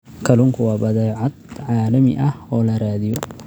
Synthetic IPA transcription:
kʰɐlʊŋkʰʊwɑːbɐðɛːʕɑd̪ʕɑːlɐmɪʔɐhɔːlɐraːðɪjɔ

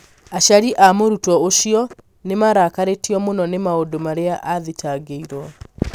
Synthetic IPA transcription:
aɕaɾiʔamoɾutɔoɕiɔ | nemaɾakaɾetiɔmonɔnemaodomaɾeaʔaðitaɡeiɾwɔ

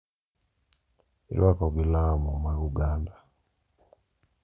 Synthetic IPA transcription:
ḭɾakɔɡilamumaɣuɡanda

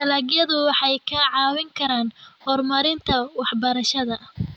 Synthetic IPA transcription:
t̪ɐlaːɣjɐðʊwɑħɑjkʰɐʕɑːwɪŋkʰɐɾaːnhɔrmɐɾɪnt̪ʰɐwɑħbɐɾɐʃɐðɐ

